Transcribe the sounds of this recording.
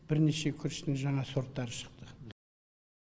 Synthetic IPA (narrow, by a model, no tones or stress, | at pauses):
b̥ɪɾne̞ʃe̞kʲʰʏɾʃɪ̥d̪ɪŋʒɑɴɑso̞ɾt̪ːɑɾəʃə̥qt̪ə